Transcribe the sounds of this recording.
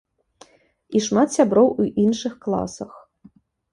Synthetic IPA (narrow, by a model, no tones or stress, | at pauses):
iʂmat̪sʲabɾɔwuʔinʂɨxklˠa̰sɐx